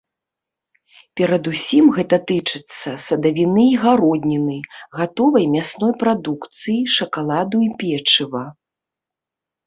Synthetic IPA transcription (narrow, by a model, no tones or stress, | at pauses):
pʲɛɾɐd̪usʲimɣɛt̪ɐt̪ɨt͡ʂɨt̪sːɐsɐd̪ɐvʲinɨiɣaɾɔd̪ʲnʲinɨjɣat̪ɔvɐjmʲasnɔjpɾad̪ukt̪sɨjiʂɐkalˠad̪uipʲɛt͡ʂɨvɐ